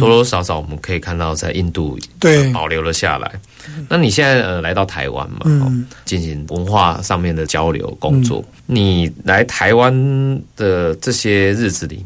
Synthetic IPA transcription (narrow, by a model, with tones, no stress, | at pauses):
t̪ɔ˧˥lo˧˥ʂɑ˧˥ʊʂɑ˨˦ʊwɔ˨˩mə˦nkʰɤ˧˥i˨˩kʰa˥˧nt̪ɑ˥˧ʊt͡sa˥˧ɪʔi˥˧nt̪u˥˨epɑ˨˩ʊljo˧˥ʊlə˨ɕja̰˥˨la̰˧˦ɪ | na˥˨ni˨˩ɕjɛ˥˧nt͡sa˥˩ɪʔə˨la˧˥ɪt̪ɑ˥˩ʊt̪ʰa̰˧˥ɪwa̰˦nma˨ɔ̰˨t͡ɕi˥˩nɕi˧˥ŋwə˧˦nxwa̰˥˧ʂɑ˥˧ŋmjɛ˥˩nd̪ə˩t͡ɕjɑ˦ʊljo̰˧˥ʊko˦ŋt͡swɔ̰˥˩ | ni˨˩la˧˦ɪt̪ʰa˧˦ɪwa˦nd̪̥ə˨ʈ͡ʂɤ˥˩ɕjɛ˦˥ɻɻ̩˥˩t͡sɹ̩˨˩lḭ˨˩˦